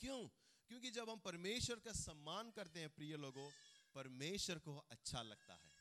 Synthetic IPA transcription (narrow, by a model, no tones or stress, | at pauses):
kjõː | kjõːk̬id͡ʒɐbɦɐmpɐɾmeːʃwəɾkasɐmːaːnkɐɾt̪eɦɛ̃pɾiːjəloːɡõpɐɾmeːʃwəɾkoɐtːʃʰalɐɡ̚t̪a̰ɦɛ̰ː